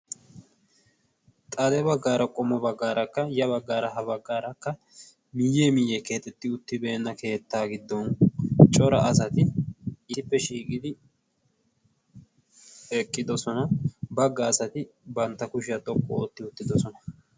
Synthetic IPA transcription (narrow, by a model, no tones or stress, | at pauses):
t̪ʼɐd̪ɛbɐɡːaːɾɐkʼɔmːɔbɐɡːaːɾʔɐkːɐjɐβɐɡːaːɾɐɦɐbɐɡːaːɾɐkːɐ | mɪjeːmɪjɛke̞ːt̪ʼːɛt̪ːɪʊt̪ːɪbe̞ːnːɐkʰe̞ːt̪ːaːɡɪd̪ːɔnt͡ʃʼɔɾɐʔɐsɐt̪ɪː | ɪpːɛʃiːkʼɪd̪ɪ | ɛkʼːɪd̪ɔsɔnɐbɐɡːɐːsɐt̪ɪbɐnt̪ːɐkʊʃɪjɐt̪ʼɔkʼːɔot̪ːɪʊt̪ːɪd̪ɔsɔnɐ